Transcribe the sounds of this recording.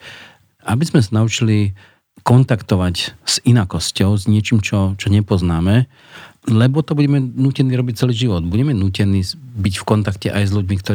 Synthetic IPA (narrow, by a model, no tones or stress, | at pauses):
abizmɛsanaut͡ʃili | kɔnt̪akt̪ɔʋacz̥inakɔscɔʊzɲɪɛt͡ʃiːmt͡ʃɔt͡ʃɔɲɛpɔznaːmɛ | lɛbɔt̪ɔbuɟɛmɛnuːcɛniːɾɔbic̚t͡sɛliːʒiʋɔd̪buɟɛmɛnuːcɛniːbicfkɔnt̪akcɛʔajzʎuɟmikt̪ɔ